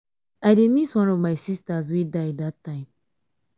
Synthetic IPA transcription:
ademiswɔ̃nɔvmaɪsistas̬widadatʰːãɪ̃m

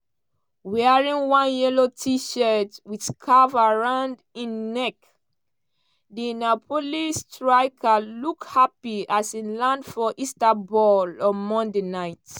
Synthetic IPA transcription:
wɛaɹĩnwãnjɛlotʰiʃɛtwidkʰavaɹãnd | ĩnːɛk | dinapʰolistɹaɪkʰalukhapiasĩnlãndfɔʔistabɔlɔ̃nmɔ̃ndenaɪt

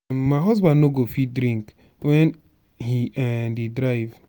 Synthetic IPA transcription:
maɪɦɔzbãnnoɡofidɾĩŋk | wɛn | hiɛdidɾaɪv

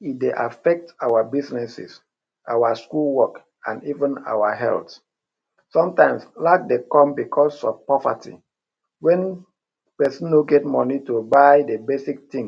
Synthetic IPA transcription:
itdeʔafɛk̚tawabisnɛsḭs | ʔawaskulwɔk | ã̰nivə̃na̰waɦɛ̰lt | sɔ̃mtãɪ̃mslak̚dekɔ̃mbikʰɔsɔ̰vpɔva̰tʰḭ | wɛ̃n | pɛsĩnːoɡɛt̚mɔnitobaɪdebesik̚tĩŋ

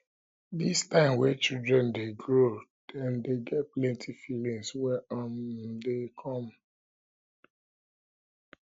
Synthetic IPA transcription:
distãɪ̃mwɛt͡ʃildɹɛ̃ndeɡɹod̥ɛ̃ndeɡɛt̚plɛ̃ntʰifilĩŋswɛʔɔ̃ndekʰɔ̃m

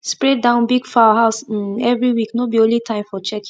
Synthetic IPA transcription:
spɹɛt̚dãʊ̃nbiɡfawaɦaʊs̩ɛvɹiwiknobiõnlitʰãɪ̃mfɔt͡ʃɛk

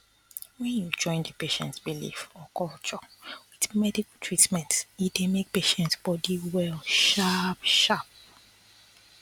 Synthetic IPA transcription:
wɛ̃njud͡ʒɔ̃ɪ̃ndəpeʃɛ̰̃ntsbilḭfɔkɔlt͡ʃɔwiðmɛdikaltʰɹitmɛ̃ntidemek̚peʃɛ̃ntsb̥ɔdiwɛlʃapʃap̚

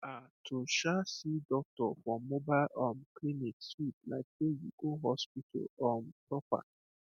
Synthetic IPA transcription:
atʰoʃasidɔk̚tɔfɔmobajlɔmkliniksudla̰k̚d̥ejṵɡoɦɔspitʰɔ̰lɔmpɾɔpa̰

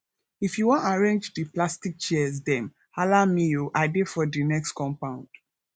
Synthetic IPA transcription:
ifjuwɔ̃naɹẽnd͡ʒdiplastik̚t͡ʃɛz̬dɛ̃m | alamːijoʔaɪdefɔdinɛkstkɔ̃mpãʊ̃nd̥

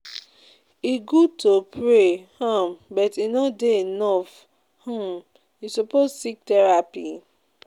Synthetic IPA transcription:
iɡud̚tʰopʰɹehãmbɔtinɔdeenɔf | hɔ̃m | isopossik̚tɛɹapi

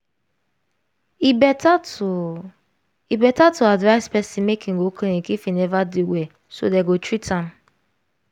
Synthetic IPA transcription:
ibɛa | ibɛtatuadvaɪspɛsĩmekʰĩŋɡoklĩnikifinɛvadiwɛ | so̰deɡotɹitʰãm

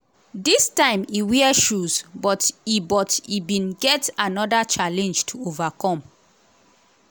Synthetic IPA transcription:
distãɪ̃miwiɛʃuzbɔtibɔtibĩnɡɛtanɔdat͡ʃalɛ̃nd͡ʒtʰuovakɔ̃m

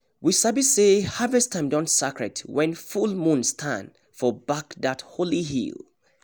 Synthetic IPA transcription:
wisabisehavɛstʰãɪ̃mdɔ̃nsakɹɛ̰twɛ̃nfulˠmũnstʰã̰n | fɔbakðatholiɦḭlˠ

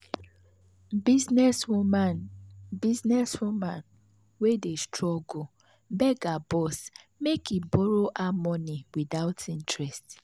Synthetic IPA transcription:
iznɛsmnbiznɛswumãn | wedestɹɔɡo | bɛɡabɔs | mekʰibɔɾoʔamɔniwiðaʊtʰĩntɹɛst

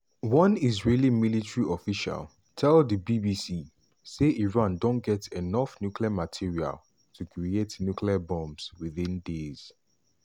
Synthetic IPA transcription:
wɔ̃nizɹelĩmilitɹiɔfiʃa̰l | tʰɛlˠdəbibisi | seʔiɹãndõnɡɛtɛnɔfnjukliamatʰiɹia̰l | tʰukʰɹietnjukliabɔ̃mswiðĩndez̥

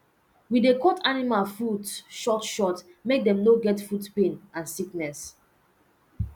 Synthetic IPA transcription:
widekɔtʰanimalfudʃɔtʃɔtmek̚dɛ̃mnoɡɛtfudpẽnãnsiknɛs

